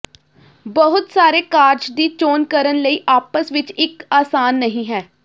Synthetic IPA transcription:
bəɦʊt̪saːɾeːkaːɾd͡ʒd̪iːt͡ʃoːnkəɾənləiːʔaːpəsʋɪt͡ʃɪkaːsaːnːəɦĩːɦɛː

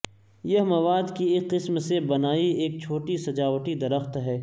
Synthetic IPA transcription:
jɐɦmɐʋaːd̪kieqɪsmsebɐnaːieːk̚t͡ʃʰoːʈisɐd͡ʒaːʋʈid̪ɐɾəxt̪ɦɛː

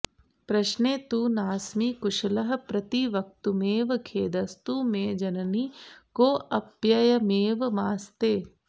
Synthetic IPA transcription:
pɾɐʃneːt̪uːnaːsmiːkʊʃɐlɐɦɐ̆pɾɐt̪iʋɐk̚t̪umeːʋɐkʰeːd̪ɐst̪uːmẽːd͡ʒɐnɐnikoːʔɐpjɐjɐmeːʋɐmaːst̪eː

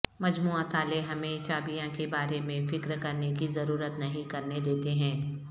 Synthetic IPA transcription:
mɐd͡ʒmuːãt̪ʰaːleɦɐmẽt͡ʃaːbijãkebaːɾemẽfɪkɾkɐɾnekizɐɾuːɾət̪nɐɦĩkɐɾned̪eːt̪eɦɛ̃ː

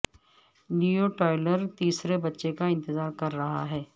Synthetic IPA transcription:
nuːoʈaːɪləɾt̪iːsɾebɐtːʃekaɪ̃nt̪ɪzaːɾkɐɾːɐɦa̰ɦɛː

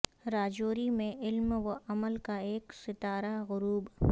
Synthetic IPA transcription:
ɾaːd͡ʒoːɾimẽɪlmʋoʔɐməlkaeːksɪt̪aːɾaɣʊɾuːb

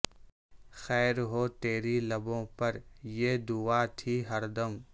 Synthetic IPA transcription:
xɛːɾɦoːt̪eːɾilɐbõːpɐɾjeːd̪ʊaːt̪ʰiːɦɐɾd̪əm

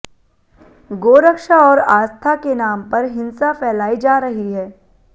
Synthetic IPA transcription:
ɡoːɾəkʃaɔːɾaːst̪ʰakenaːmpɐɾɦɪ̃nsafɛːlaːid͡ʒaːɾɐɦiɦɛː

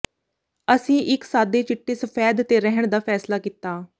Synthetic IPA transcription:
əsĩːʔɪksaːd̪eːt͡ʃɪʈːeːsəfʰɛːd̪t̪eːɾɛɦəɳ̃d̪aːpʰɛːslaːkit̪ːaː

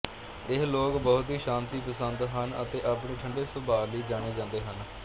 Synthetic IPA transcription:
ɪɦloːkbəɦʊt̪ɦiːʃãːnt̪iːpəsənd̪ɦənə̰t̪eːʔapɳeːʈʰəɳɖeːsəbʱaːliːd͡ʒãːɽ̃eːd͡ʒãːnd̪eːɦən

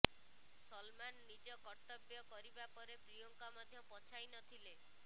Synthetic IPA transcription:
sɔlmanːid͡ʒɔkɔɾt̪ɔbjɔkɔɾibapɔɾepɾijɔŋkamɔd̪ʱjɔpɔt͡ʃʰajnɔt̪ʰile

